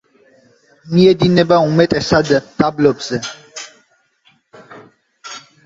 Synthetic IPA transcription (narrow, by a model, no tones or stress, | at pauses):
miɛd̪inɛbaumɛt̪ʼɛsad̪d̪ablɔbz̥ɛ